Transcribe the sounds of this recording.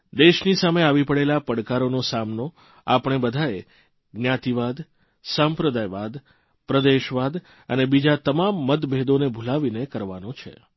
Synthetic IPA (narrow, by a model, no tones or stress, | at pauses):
d̪eʃnisameaʋipəɽelapəɽkaɾonosamno | apɳ̃ebəd̪ʱae | ɡnjat̪iʋad̪ | sampɾəd̪ajʋad̪ | pɾəd̪eʃʋad̪ | ə̰nebid͡ʒat̪əmamːət̪bʱed̪onebʱulaʋinekəɾʋanot͡ʃʰḛ